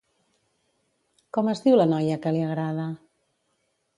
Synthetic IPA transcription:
kɔməzdiwlənɔjəkəliəɣɾað̞ə

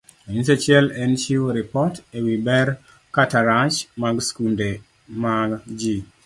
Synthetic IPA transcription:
oɲins̬et͡ʃɛlɛnt͡ʃiwoɾipɔtewibɛɾ | kataɾaʃmaɡskunde | maɡd͡ʒi

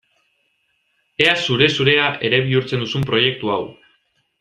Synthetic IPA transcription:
e̞asuɾe̞suɾe̞aʔe̞ɾe̞β̞iuɾt͡se̞nd̪usumpɾo̞je̞k̚t̪uaw

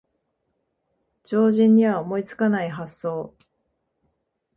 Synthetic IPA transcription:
d͡ʑo̞ːʑĩɲ̟ːiβaomo̞it͡sɨ̥kanaiɦasːo̞ː

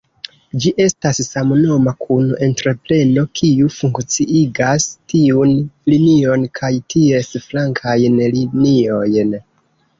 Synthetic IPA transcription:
d͡ʒiʔe̞stasːamno̞makʰunʔe̞ntɾe̞ple̞no̞kʰiufuŋkt͡siiɡastiunlinio̞nkʰajtie̞sflaŋkʰajnlinio̞jn

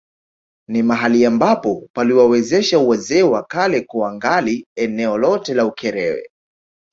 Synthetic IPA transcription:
nimaɦaliambapɔpaliwawɛzɛʃauwɛzɛwakalɛkuaŋɡaliɛnɛɔlɔtɛlaukʰɛɾɛwɛ̰

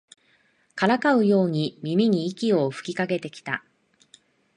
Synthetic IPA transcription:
kaɾakaɯ̟jo̞ːɲ̟imʲimʲiɲ̟iːkʲio̞ɸɯ̟̥kʲikaɡe̞t̪e̞kʲi̥t̪a̰

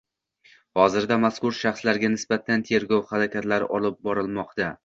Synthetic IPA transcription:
hɒzɪɾd̪amaskʊɾʃaχslaɾɡʲanɪsbat̪ʰant̪ʰe̞ɾɡɒwhaɾakʲʰat̪laɾʔɒlˠɪp̚bɒɾɪlˠmɒqt̪a

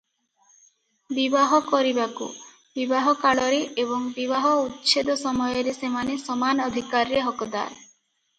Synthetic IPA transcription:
bibaɦɔkɔɾibakṵ | bibaɦɔkaɭɔɾeʔeβɔŋbiβaɦɔut̪ːʃʰed̪ɔsɔmɔjɔɾesemanesɔmanɔd̪ʱikaɾɾeɦɔkɔd̪a̰ɾ

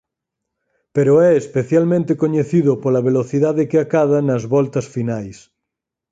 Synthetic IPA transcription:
peɾoɛespeθjalmẽnt̪ekoɲeθiðʊpolɐβ̞eloθiðaðekeakaðanɐzβɔlt̪ɐsfinajs

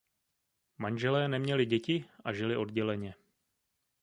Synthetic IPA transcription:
manʒɛlɛːnɛmɲɛlɪɟɛcɪʔaʒɪlɪʔo̞dɟɛlɛɲɛ

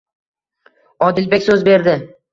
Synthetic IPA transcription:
ɒd̪ɪlbe̞kʲsɵzbe̞ɾd̪ɪ

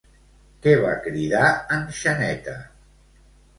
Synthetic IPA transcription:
kɛβa̰kɾiðaənʃənɛt̪ə

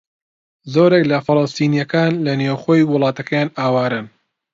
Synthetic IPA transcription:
zoːɾeklɐfɨlɑst̪iːnijɐkaːnlɐnewχoːjwʊlˠɑːt̪ɐkʰɐjaːnaːwaːɾɨn

